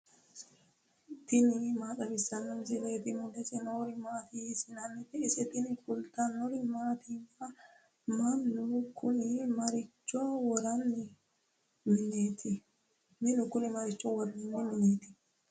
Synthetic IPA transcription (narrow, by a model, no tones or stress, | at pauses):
t̪ɪnɪmaːtɐbɪsɐnːʊmsɪleːt̪ɪmʊd̪ɛsɛnoːɾɪmaːt̪iːsɪnɐnːɪt̪ɪɪsɛt̪ɪnɪkʊlt̪ʼɐnːɔɾɪmaːt̪iːfɐ | mɐnːʊkʊnɪmɐɾɪt͡ʃːɔwɔɾɐnːɪ | mɪnet̪ʰɪ | mɪnʊkʊnɪmɐɾɪt͡ʃːɔwɔɾnɪnːɪmɪneːt̪ɪ̥